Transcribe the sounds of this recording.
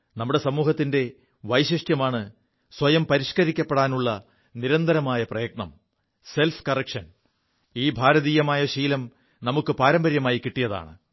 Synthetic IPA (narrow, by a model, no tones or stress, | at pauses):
nɐmːuɽe̞sɐmuːhɐt̪ːinde̞ | ʋɐjɕiʂʈjɐmaːɳɨ | swɐjɐmpɐɾiʂkɐɾikʲːɐpːeɽaːnuɭːɐ | niɾɐnd̪ʱɐɾɐmaːjɐprɐjɐɡ̚ɳɐ̰m | se̞lfkɐrɐkʂɐn | iːbʱaːɾɐðiːjɐmaːjɐɕiːlɐm | nɐmukːɨpaːɾɐmbɐɾjɐmaːjikːiʈːijɐða̰ːɳɨ